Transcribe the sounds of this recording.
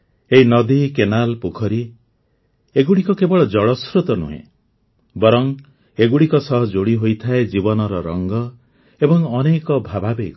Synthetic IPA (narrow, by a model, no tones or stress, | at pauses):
eɦinɔd̪ikenalpukʰɔɾi | eɡuɽikɔkebɔɭɔd͡ʒɔɭɔsɾut̪ɔnṵɦḛ̃ | bɔɾɔŋ | eɡuɽikɔsɔɦɔd͡ʒoɽiɦojt̪ʰaed͡ʒibɔnɔɾɔɾɔŋɡɔ | ebɔŋɔnekɔbʱababek